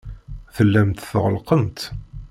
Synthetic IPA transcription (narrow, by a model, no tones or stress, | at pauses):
θəlːæmt̪θəʁəlqəmt̪